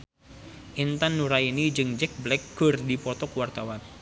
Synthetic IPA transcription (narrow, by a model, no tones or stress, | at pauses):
ʔint̪anːuɾainid͡ʒɨŋd͡ʒɛk̚blɛkːərdipɔt̪ɔkuwart̪awan